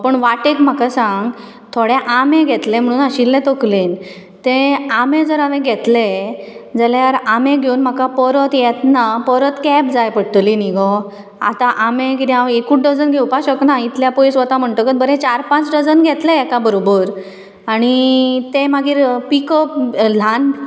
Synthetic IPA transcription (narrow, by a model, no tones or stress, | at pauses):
apəɳʋaʈekm̤akasãŋɡ | t̪ʰoɽɛ̃ʔamẽɡʱɛt̪lem̤əɽ̃uːnaɕilːɛ̃t̪oklen | t̪ẽamẽd͡zəɾamẽɡʱɛt̪led͡zaljaɾamẽɡʱeunm̤akapəɾət̪jɛt̪napəɾət̪kɛp̚d͡zajpəɽʈ̪liniɡɔ | a̰t̪aʔamẽkit̪ĩãwekuʈɖəd͡zənɡʱewpaɕəknait̪ljapoisʋət̪am̤əɳʈəkət̪̚bəɾɛ̃t͡ɕaɾpãt͡sɖəd͡zənɡʱɛt̪leɛkabəɾobəɾ | aɽ̃it̪emaɡiːɾpikəpl̤an